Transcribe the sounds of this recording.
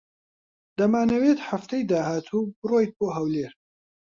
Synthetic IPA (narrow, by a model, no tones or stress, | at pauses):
d̪ɐmaːnɐweːt̪ħaft̪ɐjd̪aːhaːt̪ʰuːbɨroːjt̪̚boːɦɐwleːɾ